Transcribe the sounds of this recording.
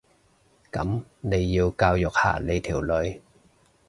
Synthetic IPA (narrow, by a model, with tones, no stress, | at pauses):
kɐ̰˨˥mne˨˧jːiː˧wkaː˧wjʊ˨k̚ha̰ː˨˩le˨˧jt̪ʰiː˨˩wlɵ˨˧ɥ